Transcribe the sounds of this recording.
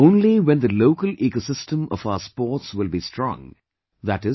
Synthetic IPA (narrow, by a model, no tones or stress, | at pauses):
õʊ̃nliwɛ̃nd̪əloʊkəlʔekosɪsʈə̃mɔ̰faʊəspɔːɾtswɪlbistɾɔ̰̃ŋ | ðæʈɪ